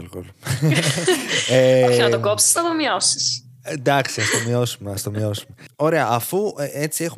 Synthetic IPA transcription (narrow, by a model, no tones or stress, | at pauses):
elɣolu | eoçinɐt̪okopsi̥znɐt̪omiosi̥snd̪ɐksiɐst̪o̞mio̞sumeɐst̪omio̞sume̞o̞ɾe̞ɐɐfueet͡siexu